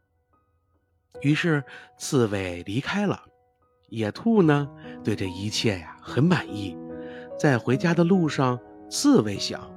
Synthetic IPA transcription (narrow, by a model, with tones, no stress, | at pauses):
y˧˥ʂɻ̩˥˧t͡sʰɹ̩˥˧we˥˩ɪli˧˥kʰa˥ɪlə̰˨ | jɛ˨˩t̪ʰu˥˩nə˩t̪we˥˧ɪʈ͡ʂə˩i˧˥t͡ɕʰjɛ˥˩a˩xə˧˥nma˨˩ni˥˩t͡sa˥˩ɪxwe˧˥ɪt͡ɕja˥d̪ə˧lu˥˧ʂɑ˥˧ŋt͡sʰɹ̩˥˧we˧˥ɪɕjɑ̰˨˩˦ŋ